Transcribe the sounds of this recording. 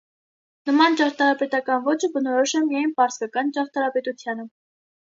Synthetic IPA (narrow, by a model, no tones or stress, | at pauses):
nəmɑnt͡ʃɑɾt̪ʰɑɾɑpɛt̪ɑkɑnvɔt͡ʃʰəbənɔɾɔʃɛmijɑjnpɑɾskɑkɑnt͡ʃɑʁt̪ʰɑɾɑpɛt̪ut͡sʰjɑnə